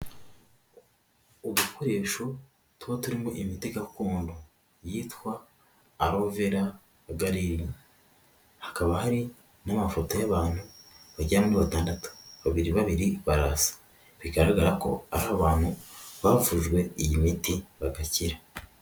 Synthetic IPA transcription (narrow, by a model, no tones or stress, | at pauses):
oβukʰo̞ɾe̞ːʃo̞ | tuhotuɾimoʔimitiɡakuːndo | jiːtkwaː | ɾo̞ːveɾa | βaɡaɾiɾi | hḁkaβahaɾi | namafo̞to̞jaβaːn̥huβaɟaamuniβataːndatu̥βaβiɾiβaβiɾiβaɾasḁ | βiɡaɾaɡaɾako̞̰a̰ɾahaβaːn̥huβavuʒɡwe̞ijimitiβaɡaciɾa